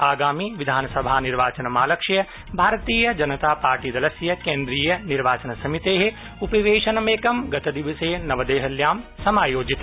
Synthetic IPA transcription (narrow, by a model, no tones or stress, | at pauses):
aːɡaːmiʋid̪ʱaːnɐsɐbʱaːniɾʋaːt͡ʃɐnɐmaːlɐkʂɐjɐ | bʱaːɾɐt̪iːjɐd͡ʒɐnɐt̪aːpaːɾʈiːd̪ɐlɐsjɐkeːnd̪ɾiːjɐniɾʋaːt͡ʃɐnɐsɐmit̪eːɦe | upɐʋeːʃɐnɐmeːkɐmɡɐt̪ɐd̪iʋɐseːnɐʋɐd̪eːɦɐljaːmsɐmaːjoːd͡ʒit̪